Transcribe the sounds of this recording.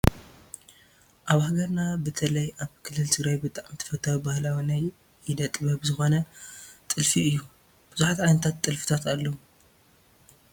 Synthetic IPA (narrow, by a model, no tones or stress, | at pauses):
ʔaβhaɡɐɾnabɨt̪ʰɐlɐjaβkʰɨlːɨlt̪ʰɨɡɾajbɨt̪ʼaʕmt̪ʰːɐ̥fɐt̪ʰːawibahlawinaj | jɪd̪ɐt̪ʼɨβɐbzɨxo̞nɐt̪ʼɨlfiɨjːu | b̥ɨzuħat̪ʕajnɐt̪ʰat̪ːʼɨlfɨ̥t̪ʰat̪alːou